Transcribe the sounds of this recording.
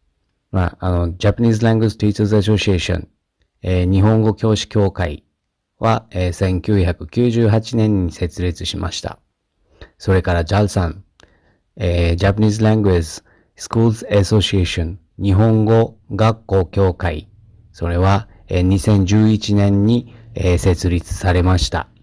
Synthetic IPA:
maːno̞d͡ʑapaɲ̟ʲiːzɨɾãŋɡist̪eit̪sesoɕieɕõ̰ŋ | eɲ̟iɦõ̞ŋɡo̞kʲo̞ːɕi̥kʲo̞ːkai | βaeːsẽ̞ŋkʲɨːçakɯ̟kʲɨːʑɨːɦat͡ɕinẽ̞ɲ̟ːise̞t͡sɨɾe̞t͡sɨɕima̰ɕi̥t̪a̰ | so̞ɾe̞kaɾad͡ʑaɯsãn | ed͡ʑapaɲizɨɾãŋɡɯezi̥ | sɨ̥kuːsɨeso̞ɕieɕõn | ɲ̟iɦõ̞ŋɡo̞ɡakːo̞ːkʲo̞ːkaḭ | so̞ɾe̞βa | eɲ̟isẽ̞ɲ̟d͡ʑɨːit͡ɕinẽ̞ɲ̟ːiese̞t͡sɨɾʲit͡sɨ̥saɾe̞maɕi̥t̪a̰

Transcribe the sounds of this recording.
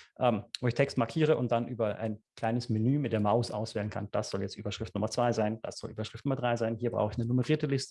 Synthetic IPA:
ʔɛːmvoːɪçtʰɛkstmaɐkʰiːʁ̞əʔʊnt̚d̥anʔyːbɐʔa̰ɪnkl̥aɪnəsmenyːmɪt̚d̥eːɐmaʊsʔa̰ʊsv̥ɛːlənkʰand̥asz̥ɔljɛt͡stʔyːbɐʃʁ̥ɪftnʊmɐt͡sv̥aɪzaɪnd̥a̰sz̥ɔ̰lʔyːbɐʃʁ̥ɪftnʊmɐdʁaɪzaɪnhiːɐbʁa̰ʊxəɪçnənuməʁiːɐtəlɪstə̥

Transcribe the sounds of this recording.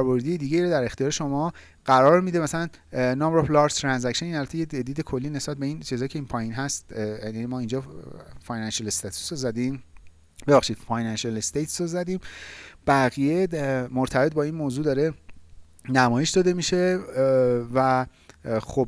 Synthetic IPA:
ɾbo̞ɾd̪ijed̪iːɡɟeiɾod̪æɾe̞xt̪ijɒːɾeʃomɒː | ɢ̥æɾɒːɾmiːd̪emæsælæn | nɒmbɾoplɒɾt̪ʰɾænzæcʃeninælbæt̪ʰejed͡ʒæd̪iːd̪ekʰo̞lːiːne̞sbæt̪̚be̞int͡ʃʰizhɒːjcʰeiːnpʰɒːjinɦæst̪æimɒːind͡ʒɒːfɒːjnænʃelest̪ɒt̪ʰu̥sozæd̪im | be̞bæχʃiːd̪̥fɒːjnænʃelest̪et̪ʰsozæd̪ĩːmb̥æɣijemoɾt̪ʰæbe̞t̪̚bɒːinmoːzuːd̪ɒːɾe̞ | næmɒːjeʃd̪ɒːd̪e̞miʃe̞ | væ | xob̚

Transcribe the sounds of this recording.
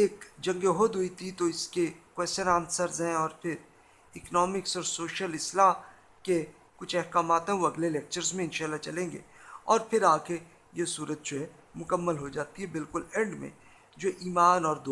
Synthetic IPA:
eːkd͡ʒɐ̃ŋɡeɦod̪ɦʊit̪ʰit̪oɪskekwɛːsʃənaːnsəɾzɦɛ̃ɔːɾpʰɪɾ | ɪknɔːmɪksɔːɾsoːʃijəlɪsla | ke | kʊt͡ʃʰɛɦkaːmaːt̪ɦɛ̃ʋoɐɡleleːk̚t͡ʃəɾzmẽɪnʃaːlːat͡ʃɐlẽːŋ̆ɡḛːɔːɾpʰɪɾaːke | jesuːɾət̪̚d͡ʒoɦɛ | mʊkəmːəlɦod͡ʒaːt̪iɦɛbɪlkʊlɛ̃ɳɖmḛ̃ | d͡ʒoːʔiːmaːnɔːɾd̪

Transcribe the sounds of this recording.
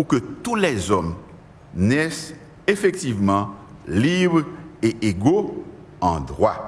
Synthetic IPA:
ukət̪ulɛzɔm | nɛs | efɛk̚t̪ivmɑ̃ | libʁeʔeɡo | ɑ̃d̪ʁwa

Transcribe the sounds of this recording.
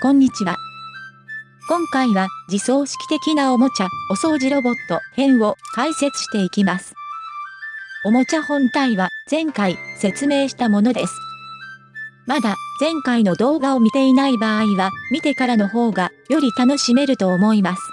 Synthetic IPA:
kõ̞ɲ̟ːit͡ɕiβa | kõ̞ŋkaiβad͡ʑiso̞ːɕi̥kʲi̥t̪e̞kʲinao̞mo̞t͡ɕao̞so̞ːʑiɾo̞bo̞t̪ːo̞hẽ̞ɰ̃o̞kaise̞t͡sɨ̥ɕi̥t̪e̞ikʲimasɨ̥ | o̞mo̞t͡ɕahõ̞nt̪aiβaz̥ẽ̞ŋkaise̞t͡sɨme̞ːɕi̥t̪amo̞no̞d̪e̞sɨ̥ | mad̪ad͡zẽ̞ŋkainod̪o̞ːɡao̞mʲit̪e̞inaibaːiβamʲit̪e̞kaɾano̞ɦo̞ːɡajo̞ɾʲit̪ano̞ɕime̞ɾɯ̟t̪o̞ːmo̞imasɨ̥

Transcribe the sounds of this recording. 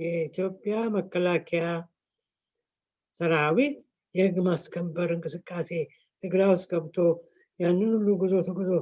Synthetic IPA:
jɛit̪jo̞pʼːjaməkːəlakʰeja | səɾawit̪ | jɛhɨɡːmaskʰəmbəɾɨŋkʼɨsɨkʼːase̞ | t̪ʰɨɡɾawsɡəβt̪ʰo̞ | janːɨnulːuɡɨzo̞t̪ʰəɡuzo̞

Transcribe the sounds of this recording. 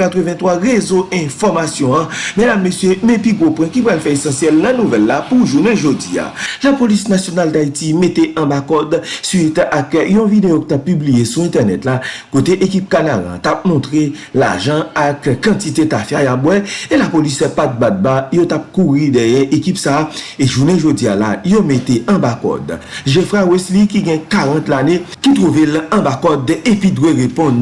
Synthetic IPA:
at̪ʁəvɛ̃twaʁezoɛ̃fɔʁmasjɔ̃ʌ̃medamːøsjømepiɡopwɛ̃kipʁalfɛesɑ̃sjɛlnɐ̃nuvɛlːapuʒunɛ̃ʒodḭa̰lapolisnasjonald̪aitimeteʔɐ̃bakɔd̪sɥit̪akjɔ̃vid̪ejokit̪apːyblijesuɛ̃t̪ɛʁnɛtlakot̪eʔek̬ip̚kanalã̰t̪ap̚mɔ̃t̪ʁela̰ʒɑ̃akkːãtitetafajabwɛelapolisɛpat̪̚bat̪̚bajotap̚kuʁidɛjɛ̃ʔekipsaeʒuneʒod͡ziala̰jometeɐ̃bakɔ̰d̪ʒefʁawɛslikiɡɛ̃kaʁãt̪lanekit̪ʁuvelɐ̃bakɔd̪epidweʁepɔ̃d̪

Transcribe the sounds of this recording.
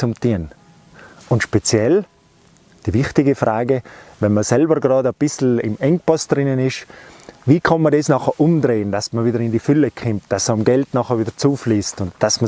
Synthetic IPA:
t͡sʊmtiːən | ʊntʃpet͡sjɛl | d̥ivɪχtɪɡəfraːɡəvɛnmɐsɛlbəɡrɑːdəb̥ɪsl̩ɪ̰mɛŋ̚pɔstd̥rɪnənɪʃviːkʰɑnmɐdesnɑχəʔʊmdreːənd̥asmɐviːdəɾɪndifʏləkʰχɪmt̚d̥asamɡɛltnɑχəʋiːdət͡suːfliːstʊntd̥asmə

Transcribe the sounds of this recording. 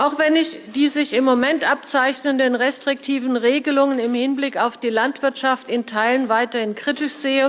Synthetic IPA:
ʔaʊxv̥ɛnɪçd̥iːzɪçɪmːomɛntʔap̚t͡saɪçnəndənʁɛstʁ̥ɪk̚tʰiːvn̩ʁeːɡəlʊŋənɪmhɪnblɪkaʊfd̥iːlantv̥ɪɐtʃaftɪntʰaɪlənvaɪtɐhɪnkʁ̥itɪʃz̥eːə

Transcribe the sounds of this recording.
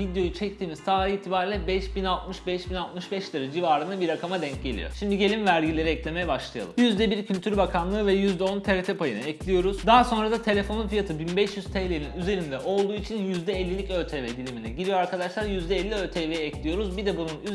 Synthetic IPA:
vid̪jo̞jut͡ʃʰɛc̚t̪ʰiːmizt̪ʰaːɾiiːt̪ʰibaːɾilʲɛbɛʃbinalˠt̪̚mɯʃbɛʃbinalˠt̪mɯʃbɛʃlʲˠaɾɯd͡ʒivaːɾɯnabiɾːakʰamad̪ɛɲc̚ɟe̞lʲḭjo̞̰ʃimd̪iɟe̞lʲimvæɾɟilʲe̞ɾiɛclʲe̞me̞jɛbaʃlˠɯja̰lˠɯmjyzd̪ɛbiɾcʰylʲt̪ʰyɾbakʰamlˠɯːvɛjyzd̪ɛont̪ʰeɾet̪ʰɛpʰajɯnɯɛclʲijo̞ɾuzd̪aːso̞nɾad̪at̪ʰe̞lʲe̞fo̞nunfijat̪ʰɯbinbɛʃjyz̥t̪ʰelʲeɾininyze̞ɾind̪ɛʔo̞lˠd̪uːit͡ʃʰinjyzd̪ɛɛlʲːilʲicølt̪ʰevɛd̪ilʲiminɛɟiɾijoaɾkʰad̪aʃlˠaɾjyzd̪ɛɛlʲːiølʲt̪ʰevejɛɛclʲijo̞ɾuzbid̪ɛbununy

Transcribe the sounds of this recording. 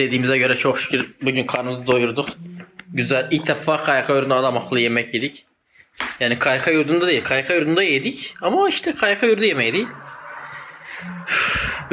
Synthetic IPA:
d̪̥e̞d̪iːmizɛɟø̞ɾɛt͡ʃʰoxʃi̥cʰiɾbuɟynkʰaɾnɯmɯzɯd̪o̞juɾud̪ukɟyzælʲict̪ʰafaːkʰajakʰajyɾnalˠamaklˠaje̞mɛcjed̪ic | jaːnikʰajkʰajuɾd̪und̪ad̪ejilʲkʰajkʰajuɾd̪und̪ajed̪icamaiʃt̪ʰɛkʰajakʰajuɾd̪ujemɛjd̪ejilʲ

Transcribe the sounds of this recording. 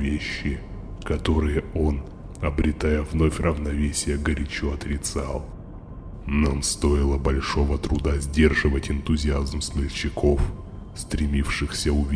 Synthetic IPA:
vʲeɕːɪ | kɐt̪o̞ɾɨjəo̞n | ɐbɾʲɪt̪ajəvno̞fʲrʔəvnɐvʲesʲɪjəɡəɾʲɪt͡ɕoɐt̪ɾʲɪt̪salˠ | namst̪o̞ɪlˠəbɐlʲʂo̞vət̪ɾʊd̪azʲdʲe̞rʐɨvətʲɪnt̪ʊzʲɪazmsmʲɪlʲt͡ɕːɪkʰo̞f | st̪ɾʲɪmʲifʂɨxsʲəʊvʲi

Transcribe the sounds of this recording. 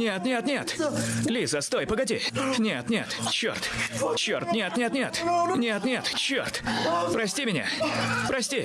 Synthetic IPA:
nʲet̪nʲet̪nʲe̞t̪lʲizəst̪o̞jpəɡɐdʲenʲet̪nʲe̞̰t̪t͡ɕːo̰rt̪t͡ɕːo̰rt̪nʲet̪nʲet̪nʲe̞t̪nʲet̪nʲe̞t̪t͡ɕːo̰rt̪pɾɐsʲtʲimʲɪnʲa̰pɾɐsʲtʲi

